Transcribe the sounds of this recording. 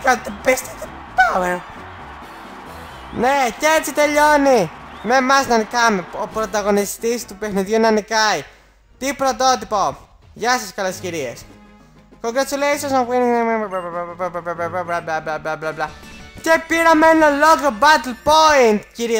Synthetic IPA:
kat̪epest̪it̪e | paweɾo | necet͡sit̪e̞ʎonimemɐsnɐnikɐmeopɾot̪ɐɣo̞nist̪ist̪upe̞xniðʝunɐnikɐi | t̪ipɾot̪ot̪ipo | ʝɐseskɐlesciɾies | koŋɡɾesuleisosɐpiniŋmemebabablaaablablablablablablablablablablacepiɾɐmenioloɣobɐt̪elpoint̪ciɾi

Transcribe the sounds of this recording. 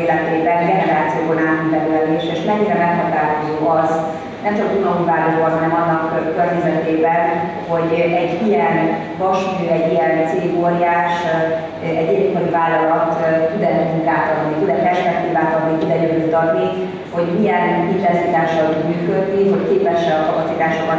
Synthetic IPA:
lɛt̪eːbɛnɡɛnɛɾaːt̪sijoːbonaːt̪ud̪ɛvylɛleːʃeːʃmɛɲːiɾɛmɛkhɒt̪aːɦozoːɒz | nɛmt͡ʃɒkunɒuvaːɦozoːɒɦɒnɛmɒnːɒkkørɲɛzɛt̪eːbɛn | ho̞ɟɛɟijɛn | vɒʃid̪øːɛɟːijɛnt̪seːɡoːɾjaːʃ | ɛɟːɛɟik̪mɔjivaːlːɒlɒt̪t̪yd̪ɛjɛuŋt̪aːt̪ɒt̪nit̪ud̪ɛpɛrʃpɛk̚t̪iːvaːt̪ɒd̪nit̪ud̪ɛjølut̪ɒt̪ni | ho̞ɟmijɛnɦitlɛsit̪aːʃɒlot̪myːkø̞d̪niɦo̞ckeːpɛʃɛɒkɒpɒtsit̪aːʃokɒ

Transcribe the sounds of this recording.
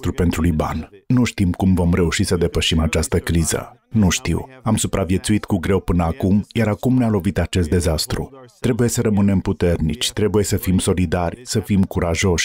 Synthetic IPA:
t̪ɾupe̞nt̪ɾulujba̰nnuʃt̪imkumvo̞mɾe̞uʃisəd̪e̞pəʃimat͡ʃast̪əkɾizə̰nuʃt̪ḭwamsupɾʔavje̞t̪suit̪kuɡɾe̞wpɨnəakumjaɾakumnealo̞vit̪at͡ʃe̞st̪d̪e̞zast̪ɾṵt̪ɾe̞buje̞səɾəmɨne̞mput̪e̞rnḭt͡ʃʲt̪ɾe̞buje̞səfimso̞lid̪arʲsəfimkuɾʔaʒo̞ʃʲ

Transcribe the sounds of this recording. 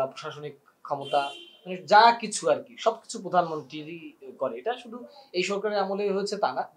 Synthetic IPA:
apɾoʃaʃonikʰːɔmot̪amaned͡ʑakit͡ɕʰuaɾkiʃɔb̚ki̥t͡ɕʰupɾod̪ʱanmont̪ɾiɾikɔɾeeʈaʃud̪ʱuejʃɔɾkaɾeamoleɦoet͡ɕʰet̪ana

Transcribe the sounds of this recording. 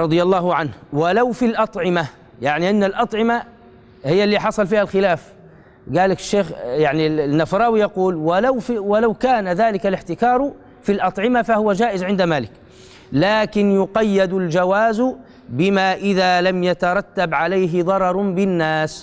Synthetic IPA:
ɾˤɑd̪ˤɨjɑlˤːɑːhʕanhwalawfilʔɑt̪ˤʕɪma | jaʕniʔanːalʔɑt̪ˤʕɪma | hɪjːalːiːħɑsˤɑlfiːhalxɪlaːf | ɡaːlakɪ̥ʃːeːxjaʕninːafɾˤɑːwijɑquːlwalawwalawkaːnaðaːlɪkalɪħt̪ɪkɑːɾˤ | filʔɑt̪ˤʕɪmafahʊwad͡ʒaːʔɪzʕɪnd̪amaːlɪk | laːkɪnjʊqɑjːad̪ald͡ʒawaːz | bɪmaːʔɪðaːlamjat̪ɑɾˤɑt̪ːabʕalajɦɪðˤɑɾˤɑɾˤbɪnːaːs

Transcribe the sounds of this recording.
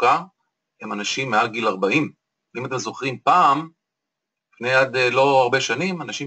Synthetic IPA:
ka | emanaʃimːealɡilaʁbaim | imat̪e̞mzo̞χʁimpaːm | lifne̞jad̪lo̞aʁbe̞ʃanimanaʃi

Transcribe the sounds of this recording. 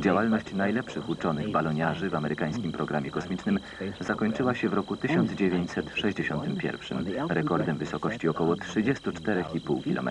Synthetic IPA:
d͡ʑawalnɔɕt͡ɕnajlɛpʂɘxut͡ʂɔnɘɣbalɔɲaʐɘvamɛɾɘkaj̃skʲimpɾɔɡɾamʲjɛkɔsmʲit͡ʂnɘm | zakɔɲt͡ʂɘwaɕɛvɾɔkut̪ɘɕɔnd̪zd͡ʑevʲjeɲt͡ɕsɛt̪ʂɛʑd͡ʑeɕɔnt̪ɘmpʲjɛ̰ɾfʂɘ̰mɾɛkɔɾd̪ɛmvɘsɔkɔɕt͡ɕiɔkɔwɔtʂɘd͡ʑɛst̪ut͡ʂt̪ɛɾɛxipuwkʲilʔɔ̰mɛ̰

